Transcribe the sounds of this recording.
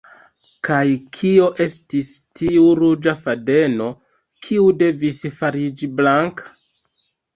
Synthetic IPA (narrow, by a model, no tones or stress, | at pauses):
kajkʰio̞ʔe̞stistiuɾud͡ʒafade̞no̞ | kʰiude̞visfaɾid͡ʒiblaŋkḁ